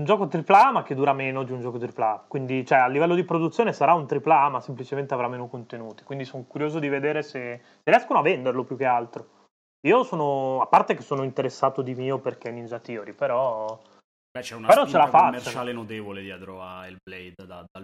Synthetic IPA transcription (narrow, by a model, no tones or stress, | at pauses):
und͡ʒɔːkot̪ɾiplamak̟ːed̪ːuːɾameːnod̪iund͡ʒɔːkot̪ɾiplakwind̪it͡ʃoɛalːivɛlːod̪ipɾod̪ut̪sːjoːnesaɾaunt̪ɾiplamasemplit͡ʃement̪eavɾamːeːnokont̪enuːt̪i̥kwind̪isonokuɾjoːzod̪ived̪eːɾese | srɾjɛskonoavːend̪erlopjuk̟ːealt̪ɾo | iːosoːnoapːart̪ek̟esːoːnoint̪eɾesːaːt̪od̪imiːoperk̟enind͡ʒat̪ioɾipeɾɔ | bɛt͡ʃɛunapeɾɔt͡ʃːelafamet͡ʃt͡ʃaːlenot̪eːvoled̪iad̪ɾɔa̰elblɛjd̪d̪ad̪a